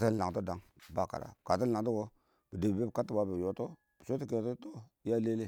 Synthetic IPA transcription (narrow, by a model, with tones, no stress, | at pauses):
te˦la˨to˦da˨˦ŋ | ba˦˨ka̰˨ɾa̰˨ka˨t̬i˦la˨ŋt̬o˦ɡo˦ | b̥i˨de˨bi˨be˦bi˨ka˦tːi˦ba˦bi˨jo˨to˦ | b̥i˨so˦ti˦ke˨to˦to˦ja˦le˦le˦˨